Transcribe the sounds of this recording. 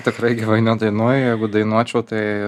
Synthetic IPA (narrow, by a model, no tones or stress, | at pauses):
t̪ʲɪkɾɐɪɡʲɪʋɐɪnʲɛd̪ɐɪnuɔjjɛɪɡʊd̪ɐɪnuɔt͡ʃʲɛʊt̪ɐɪ